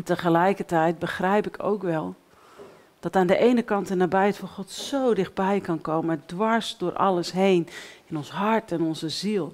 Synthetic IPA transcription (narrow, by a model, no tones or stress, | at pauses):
ntəχəlɛjkəɹtɛjt̚bəχrɛjpɪkʰo̰wkʋɛlˠ | d̥ɑtaːndəʔejnəkɑntənaːbɛjətfɔχɔtsowdɪχd̚bɛjkɑnkowməndʋɑɹsdʊːɾʔɑ̰ləsɦejnɪnɔnsɦɑɹtɛnɔnzəzilˠ